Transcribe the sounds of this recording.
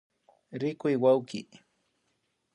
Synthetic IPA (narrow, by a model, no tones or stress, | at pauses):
ɾɪkʊjwawkɪ